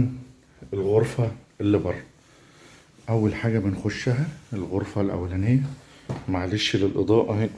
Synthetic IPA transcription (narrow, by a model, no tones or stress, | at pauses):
n | elɣoɾˤfæelːibɑrˤːɑ | ʔæwːælħaːɡæbenxoʃːæɦæelɣoɾˤfælʔæ̰wːælænejːæmaʕleʃlelʔed̪ˤɑːʔɑi